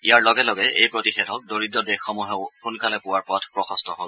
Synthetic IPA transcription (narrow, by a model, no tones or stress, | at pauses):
ijaɹlɔɡɛlɔɡɛʔejpɹotixɛdʰʱɔk̚doɹidːɔdexːɔmuɦɛʊxunkalɛpʊwaɹpɔtʰpɹɔxɔstʰɔɦol